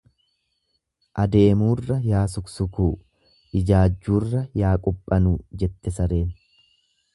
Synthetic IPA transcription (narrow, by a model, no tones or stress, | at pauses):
ʔɐd̪e̞ːmuːrːɐjaːs̬ʊksʊkuː | ʔɪd͡ʒaːd͡ʒːuːrːɐjaːkʼʊpʼːɐnuːd͡ʒɛt̪ːɛsɐɾe̞ːn